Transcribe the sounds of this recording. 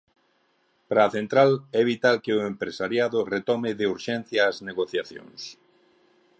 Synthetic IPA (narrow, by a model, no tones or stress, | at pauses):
pɾaːθent̪ɾalɛβit̪alkeʊempɾesaɾjaðʊret̪ɔmɪðeuɾʃɛn̟θjaːzneɣoθjaθjõ̰ŋs